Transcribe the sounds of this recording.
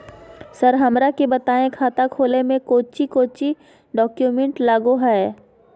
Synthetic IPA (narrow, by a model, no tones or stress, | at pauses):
səɾɦɐmɾakebɐt̪aːẽkʰaːt̪akʰoːlemẽkoːt͡ʃikoːt͡ʃi | ɖɔːkjumẽɳʈlaːɡoɦɛː